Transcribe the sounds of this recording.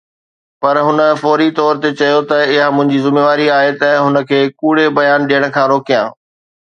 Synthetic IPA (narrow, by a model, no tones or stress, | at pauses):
pɐɾɦʊnəfɔːɾit̪ɔːɾt̪et͡ɕɐjot̪ɐɪɦamʊ̃ɦɪ̃ɲd͡ʑizɪmeːʋaːɾiaːɦet̪ɐɦʊnə̆kʰeːkuːɽ̤ebɐjaːnɗijəɽ̃̆kʰãːɾoːkijã̰ː